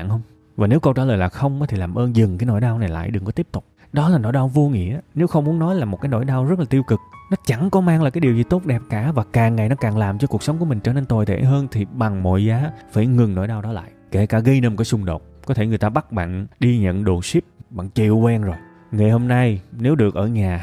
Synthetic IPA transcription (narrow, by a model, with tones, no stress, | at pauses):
nhə˧wŋ͡m | vaː˨˩ne˨˦wkə˧wt͡ɕaː˧˩ləː˨˩jlaː˨˩xə˧wŋ͡ma˨˦t̪ʰi˨˩laː˨˩mʔəː˧nzɨ˨˩ŋkaː˨˦jno̰˧˩jɗaː˧wna˨˩jla̰ː˧˨jɗɨ˨˩ŋkɔ˨˦t̪i˦˥p̚t̪ʊ˨˩k͡p̚ | ɗɔ˨˦laː˨˩no̰˧˥˨jɗaː˧wvo˧ŋḭ˧˨əʔaː˨˦ne˨˦wxə˧wŋ͡mmu˨˦ənɔ˨˦jlaː˨˩mo˨˩t̚kaː˨˦jno̰˧˩jɗaː˧wzə˦˥t̚laː˨˩i˧əwkɨ˨˩k̚nɔ˨˦t͡ɕa˧˩ŋkɔ˨˦maː˧ŋlaː˨˩kaː˨˦ɗi˨˩əwzi˨˩t̪o˦˥t̚ɗɛ˨˩p̚kaː˧˩vaː˨˩kaː˨˩ŋŋːa˨˩jnɔ˨˦kaː˨˩ŋlaː˨˩mt͡ɕɔ˧ku˨˩ək̚sə˨˦ŋ͡mkəmï˨˩ŋ̟t͡ɕəː˧˦ne˧nt̪o˨˩jt̪ʰḛ˧˩ɦəː˧nt̪ʰi˨˩ɓa˨˩ŋmo̰˧˨jzaː˨˦faː˧˩jŋɨ˨˩ŋno̰˧˩˥jɗaː˧wɗɔ˨˦la̰ː˧˨jke˧˩kaː˧˩ɣə˧jnə˧mkaː˨˦sʊ˧ŋ͡mɗo̰˨˩t̚kɔ˨˦t̪ʰe˧˩ŋɨ˨˩əjt̪aː˧ɓa˦˥t̚ɓa̰ː˧˨nɗi˧ɲə̰˧˨nɗo˨˩si˦˥p̚ɓa̰ː˧˨nt͡ɕḭ˧˨əwkwɛ˧nzo˨˩j | ŋa˨˩jho˧mna˧jne˨˦wɗɨ˨˩ək̚ʔəː˧˩ɲaː˨˩